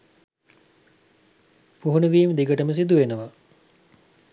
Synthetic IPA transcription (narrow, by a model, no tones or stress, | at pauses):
puɦunəʋiːməd̪iɡəʈəməs̬id̪uʋenəʋa